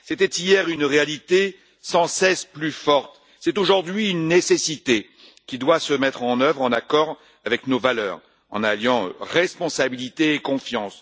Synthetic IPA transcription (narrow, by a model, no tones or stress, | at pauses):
set̪ɛt̪ijɛʁynʁealit̪e | sɑ̃sɛsplyfɔʁt̪ | sɛt̪oʒuʁd̪ɥiynːesesit̪e | kʲid̪wasəmɛt̪χɑ̃nœvʁɑ̃nakɔʁ | avɛknovalœ̰ːʁ | ɑ̰̃naljɑ̃ʁɛspɔ̃sabilit̪eːkɔ̃fjɑ̃s